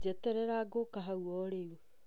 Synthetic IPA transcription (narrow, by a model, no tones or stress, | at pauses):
d͡ʒɛtɛɾɛɾaɡokaɦauɔɾewo